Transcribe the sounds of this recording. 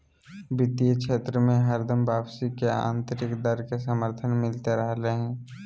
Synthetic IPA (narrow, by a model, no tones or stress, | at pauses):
bɪt̪ijəʃʰeːt̪ɾəmẽɦəɾd̪əmbaːbsikeã̰ːnt̪əɾɪkd̪əɾkesəməɾt̪ʰənmɪlt̪eɾəɦleɦɛ̃ː